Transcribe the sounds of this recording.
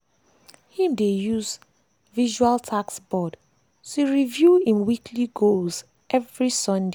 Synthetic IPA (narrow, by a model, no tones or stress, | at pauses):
hĩmdejuz | viʒualtʰaksbɔd | tuɹivjuĩnwikʰliɡolz | ʔɛvɹisɔ̃nde